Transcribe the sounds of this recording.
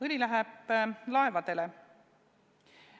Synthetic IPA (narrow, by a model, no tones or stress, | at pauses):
ɯlʲilæɦɛb̥lɑe̞vɑd̪̥e̞le